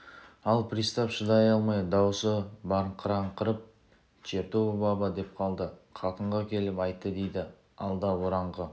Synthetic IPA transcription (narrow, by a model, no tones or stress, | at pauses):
ɑlˠpʰɾijst̪ɑpʃəd̪ɑjɑlˠmɑjd̪ɑwsəbɑɾɴqʰəɾɑɴqʰəɾəp̚ | t͡ʃʰeɾt̪uwbɑbɑd̪e̞p̚qʰɑlˠd̪əqʰɑt̪əɴʁɑkʲʰe̞lɪpɑjt̪ːəd̪e̞jd̪ɪ | ɑlˠd̪ɑwo̞ɾɑɴʁə